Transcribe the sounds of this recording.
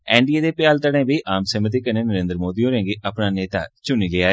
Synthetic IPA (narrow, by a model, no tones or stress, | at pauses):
ɛ̃ːɳɖieːd̪eːpjaːlt̪əɽẽːbiiːʔaːmseːmət̪̬iːkənẽːnəɾẽːnd̪ɾəmoːd̪iːɦoːɾẽːŋɡeːʔəpnaːneːt̪a̰ːt͡ʃʊniːleːaːe